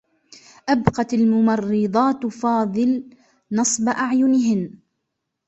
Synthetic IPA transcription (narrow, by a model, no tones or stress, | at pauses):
ʔabqɑt̪almʊmɑrːɨd̪ˤɑːt̪fɑːðˤɨl | nɑsˤbaʔaʕjʊnɪɦɪn